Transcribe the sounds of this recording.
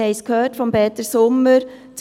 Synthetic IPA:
ɛɪskʰhøːtfɔmbɛːt̪əsʊmːəɾ | t͡s

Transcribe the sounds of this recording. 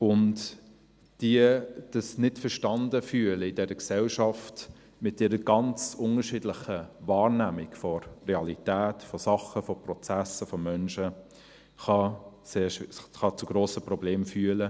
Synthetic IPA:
ʊnt | d̥iəd̥ɑsnɪtfəɾʃtɑndəfyːələɪdɛɾəksɛlʃɑft | mɪtɪɾəɡ̥ɑnt͡sʊŋəɾʃɪːdlɪχəvɑːɾnæmɪkfɔrɛɑlitæːtfɔsɑχəfɔprɔt͡sæsəfɔmœnʃə | χɑseːʃχɑt͡suɡɾoːsəprɔbleːmfyələ

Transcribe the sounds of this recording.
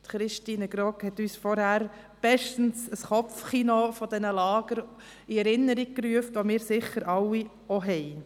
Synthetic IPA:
tχɾɪʃtiːnəɡɾokhɛtyːsfɔɾhæɾ | b̥ɛʃtn̩səsχɔpfχinofɔd̥ɛnəlɑːɡ̥əɾ | iɛɾɪnːəɾiɡ̚kryəftʋomɪːɾsɪχəɾʔɑwːi | ɔɦɛɪ

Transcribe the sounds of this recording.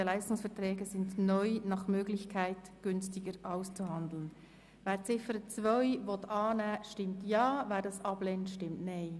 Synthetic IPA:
əlaɪstʊŋsfɛɐtʁɛːɡəzɪndnɔʏnɑχmøːɡlɪçkʰaɪtɡ̥ʏnstɪɡəɾʔaʊst͡suɦɑnd̪l̩n | valt͡sɪfəɾət͡svœʏvɔtʰɑːnɛːʃtɪmtjɑːvaɪldɑsɑb̥lɛntʃtɪmtnaɪ

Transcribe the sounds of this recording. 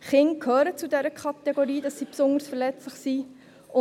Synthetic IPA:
χɪŋkʰhøːɾət͡sudɛɾəkʰɑt̪ɛɡoɾiːd̥ɑsːipsʊndəɾsfəɾlɛt͡slɪχsi | ʊ

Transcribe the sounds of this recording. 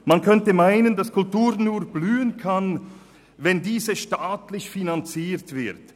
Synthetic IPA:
mankʰœntəmaɪnəndaskʰʊltuːɾnuːɾblyːənkʰan | vɛndiːzəʃtaːtlɪçfinant͡siːʁtv̥ɪt

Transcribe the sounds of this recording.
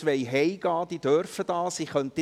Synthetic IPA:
ʋɛjɦɛjɡ̥ɑːd̥̪id̥œrfəd̥ɑːsiχœnt̪ə

